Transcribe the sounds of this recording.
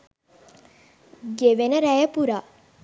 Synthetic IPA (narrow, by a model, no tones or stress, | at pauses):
ɡeʋenəɾæjəpuɾa